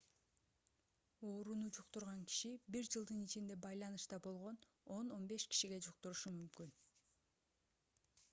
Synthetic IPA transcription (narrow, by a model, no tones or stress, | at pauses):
o̞ːɾunud͡ʒuqt̪uɾʁɑŋki̥ʃibiɾd͡ʒɯlˠd̪ɯnit͡ʃind̪e̞bɑjlˠɑnɯʃt̪ɑbo̞lˠʁo̞n | o̞no̞nbe̞ʃki̥ʃiɡe̞d͡ʒuqt̪uɾuʃumymkyn